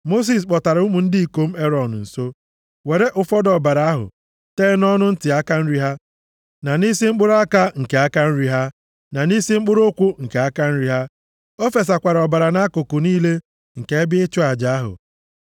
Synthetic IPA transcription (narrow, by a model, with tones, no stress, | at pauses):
mo˦s̬i˨s̬k͡pɔ˨ta˨ɾʊ˦mu˨n̩˦dɪ˦i˨ko˦m̩˦e˦ɾɔ˨n˨n̩˨so˦ | we˨ɾe˦ʔʊ˨fɔ˦dɔ˨ba˨ɾa˦a˦ɦʊ̰˨ | te˦nɔ˦nʊ˦n̩˦tɪ˨a˦ka˦n̩˦ɾi˨˦ɦa˦ | na˨ni˦si˦ŋ͡m̩˦k͡pʊ˦ɾa˦ka˦ŋ̩˨ke˨a˦ka˦n̩˦ɾi˨ɦa˦ | na˨ni˦si˦ŋ͡m̩˦k͡pʊ˦ɾʊ˦kʷʊ˦ŋ̩˨ke˨a˦ka˦n̩˦ɾi˨ɦa˦ | o˦fe˨s̬a˨kʷa˨ɾɔ˨ba˨ɾa˨na˦kʊ˨kʊ˨niː˦le˦ | ŋ̩˨ke˨˦e˦bɪ˦ɪ˦t͡ʃʊ˦a˨d͡ʒa˨a˦ɦʊ̰˨